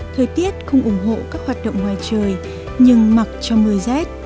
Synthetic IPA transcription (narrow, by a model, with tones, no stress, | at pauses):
t̪ʰəː˨˩jt̪i˦˥ət̚xə˧wŋ͡mʔʊ˧˩ŋ͡mɦo̰˧˨kaː˦˥k̚hwaː˨˩t̚ɗə̰˧˨wŋ͡mhwaː˨˩jt͡ɕəː˨˩j | ɲɨ˧ŋma˨˩t̚t͡ɕɔ˧mɨ˨˩əjzɛ˦˥t̚